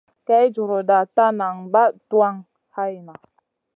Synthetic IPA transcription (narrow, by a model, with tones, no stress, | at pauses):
ka˦jd͡ʒu˨ɾo˨da˨ta˦na˨ŋba˦tu˦a˦ŋ | ha˦jna˨